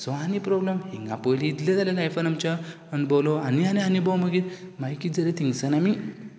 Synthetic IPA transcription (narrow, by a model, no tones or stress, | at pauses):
sɔanipɾɔblemɦiŋɡa̰pojliːt̪led͡zaljalajfanamt͡ɕa | ənbolɔanianianibɔməɡiːɾmajkid͡zəɾet̪ʰiŋɡsənami